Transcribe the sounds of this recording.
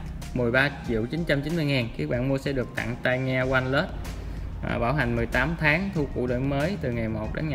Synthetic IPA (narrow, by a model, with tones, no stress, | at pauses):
mɨ˨˩əjɓaː˧t͡ɕḭ˧˨əwt͡ɕi˨˦nt͡ɕa˧mt͡ɕi˨˦nmɨ˧əjŋaː˨˩nki˨˦˥ək̚ɓa̰ː˧˨nmu˧əsɛ̰˧˥ɗɨ˨˩ək̚t̪a̰˧˨ŋt̪a˧jŋɛ˧kwa˧jnlə˦˥t̚ | va̰ː˨˩ɓaː˧˩wɦa˨˩jŋ̟mɨ˨˩əjt̪aː˨˦mt̪ʰaː˨˦ŋt̪ʰu˧kṵ˧˥ɗə̰ː˧˨nməː˨˦jt̪ɨ˨˩ŋa˨˩jmo˨˩t̚ɗḛ˨˦nŋa˨